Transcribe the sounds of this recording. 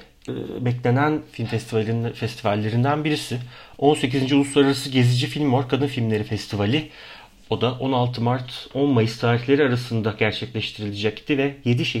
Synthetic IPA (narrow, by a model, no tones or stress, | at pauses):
ɯ̰ːbɛclʲe̞nænfilʲmfɛst̪ʰivalʲinfɛst̪ʰivalʲːe̞ɾind̪ænbiɾisɪo̞nse̞c̬izind͡ʒiulˠuslˠaɾaɾasɯɟe̞zid͡ʒifilʲmːoɾkʰad̪ɯnfilʲmlʲe̞ɾifɛst̪ʰivalʲɪ | o̞d̪aʔo̞nalˠt̪ʰɯmaɾt̪ʰo̞nmajist̪ʰaːɾiçlʲe̞ɾiaɾasɯnd̪aɟæɾt͡ʃʰɛclʲɛʃt̪ʰiɾilʲid͡ʒɛct̪ʰivɛje̞d̪iʃɛ